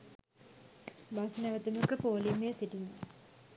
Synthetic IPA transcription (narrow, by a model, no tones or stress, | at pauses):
basnæʋət̪uməkəpoːlimesiʈiɲə